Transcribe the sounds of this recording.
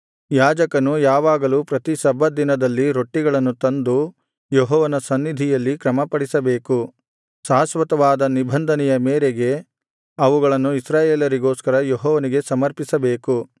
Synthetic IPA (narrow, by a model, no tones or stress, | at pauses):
jaːd͡ʒɐkɐnujaːʋaːɡɐluːpɾɐt̪isɐbʱːɐd̪inɐd̪ɐlːiɾo̞ʈːiɡɐɭɐnːut̪ɐnd̪u | jeɦɔːʋɐnɐsɐnːid̪ʱijɐlːikɾɐmɐpɐɽisɐbe̞ːku | saːɐsʋɐt̪ɐʋaːd̪ɐnibʱɐnd̪ʱɐnɛjɐmeːɾeɡe̞ | ɐʋuɡɐɭɐnːuisɾaːjeːlɐɾiɡoːskɐɾɐjeɦɔːʋɐniɡe̞sɐmɐɾpisɐbeːku